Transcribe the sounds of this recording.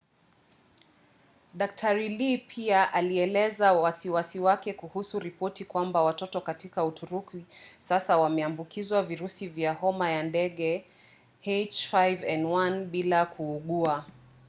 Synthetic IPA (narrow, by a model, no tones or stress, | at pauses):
ɗak̚tʰaɾilipʰiaʔaliɛlɛzawasiwasiwakɛkuhusuɾipɔtikwambawatɔtɔkatikautʰuɾukisasawamɛambukizwaviɾusivjahɔmajandɛɠɛ | het͡ʃfajvɛnwanɓilakʰuːɠua